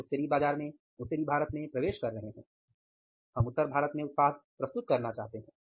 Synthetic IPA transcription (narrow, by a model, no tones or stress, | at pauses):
ʊt̪ːəɾibaːd͡ʒaːɾmẽ | ʊt̪ːəɾibʱaːɾət̪mẽpɾɐʋeːʃkɐɾːɐɦeɦɛ̃ː | ɦɐmʊt̪ːəɾbʱaːɾət̪mẽʊt̪̚paːd̪̚pɾɐst̪ʊt̪̚kɐɾnat͡ʃaːɦt̪eɦɛ̃ː